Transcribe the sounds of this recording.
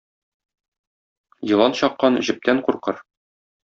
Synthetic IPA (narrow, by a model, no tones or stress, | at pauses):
jɤ̆lˠɑnɕɒqːɑnʑɘ̆p̚t̪æɴquɾqɤ̰ɾ